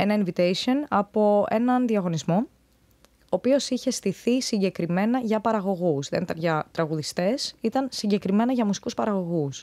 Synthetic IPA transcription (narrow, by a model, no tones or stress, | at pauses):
e̞nɐinvit̪ejsio̞nɐpo̞e̞̰nɐnðiɐɣo̞nizmo̞ | oːpio̞siçe̞st̪iθisiɲɟe̞kɾime̞nɐʝɐpɐɾɐɣo̞ɣusðe̞nit̪ɐnʝɐt̪ɾɐɣuðist̪e̞sit̪ɐnsiɲɟe̞kɾime̞nɐʝɐmusi̥kuspɐɾɐɣo̞ɣus